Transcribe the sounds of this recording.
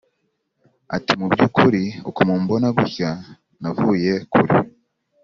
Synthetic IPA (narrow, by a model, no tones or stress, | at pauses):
a̰timubjukuɾiokumuːmbo̞naɡuça | navuje̞kuɾḭ